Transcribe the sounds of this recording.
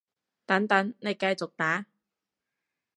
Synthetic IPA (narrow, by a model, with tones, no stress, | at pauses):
t̪ɐ˨˥ŋt̪ɐ˨˥ŋne˨˧jkɐ˧jt͡sʊ˨k̚t̪aː˨˥